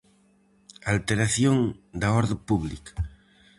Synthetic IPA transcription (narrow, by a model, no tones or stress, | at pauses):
alt̪eɾaθjoŋd̪aoɾðopuβlika